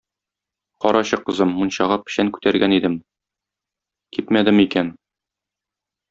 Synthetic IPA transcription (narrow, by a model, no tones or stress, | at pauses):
qɒɾʔɑɕɤqɤ̆zɤmːunɕɑʁɑpɘ̥̆ɕæŋkʉ̥t̪æɾɡænid̪ɘm | kip̪mæd̪ɘmikæn